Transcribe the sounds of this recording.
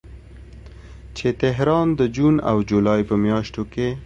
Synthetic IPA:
t͡ʃet̪ɪɦɾɑnd̪əd͡ʒuna̰wd͡ʒulɑjpəmjɑʃt̪oke

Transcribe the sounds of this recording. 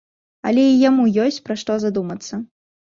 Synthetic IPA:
ɐ̰lʲɛijamujɔsʲt͡sʲpɾaʂt̪ɔzad̪umɐt̪sːɐ

